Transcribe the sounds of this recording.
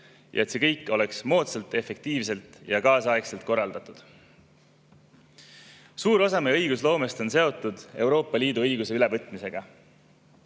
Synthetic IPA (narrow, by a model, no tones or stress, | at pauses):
jʔɑ̰et̪se̞kɤjkːˑo̞le̞ksmo̞ːt̪selt̪ˑe̞fe̞k̚t̪iːvse̞lt̪ˑjɑkɑːsɑekse̞lt̪̚ko̞rːɑld̪̥ɑt̪ˑud̪̥ | suːɾo̞sɑmeɤjɡuslo̞ːme̞st̪o̞nse̞o̞t̪ːˑud̪̥e̞wɾo̞ːpˑːɑliːd̪uɤjɡuse̞yle̞vɤt̪ːˑmise̞ɡ̥ɑ